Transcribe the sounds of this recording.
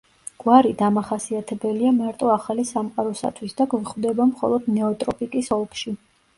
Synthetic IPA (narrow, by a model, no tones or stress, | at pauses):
ɡ̥waɾid̪amaχasiat̪ʰɛbɛliamaɾt̪ʼɔaχalisamqʼaɾɔsa̰t̪ʰwisd̪aɡwɛχvd̪ɛbamχɔ̰lˠɔd̪nɛɔt̪ʼɾɔpʼikʼisɔlˠkʰʃi